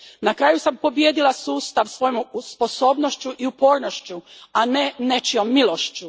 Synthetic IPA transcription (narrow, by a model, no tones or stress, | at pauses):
nakɾaːjusampo̞bjed̪ilˠasuːst̪aʋsʋo̞jomspo̞so̞ːbnoʃt͡ɕuʔiupo̞ːɾnoʃt͡ɕuane̞ne̞t͡ʃio̞mːilˠo̞ʃt͡ɕu